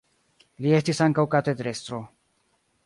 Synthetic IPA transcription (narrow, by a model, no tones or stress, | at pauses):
lie̞stisaŋkawkat̪ed̪ɾe̞st̪ɾo̞